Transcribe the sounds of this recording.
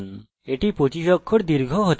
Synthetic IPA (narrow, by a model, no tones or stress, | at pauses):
n | eʈipot͡ɕiɕɔkʰːoʈ̚d̪iɾɡʱɔɦot̪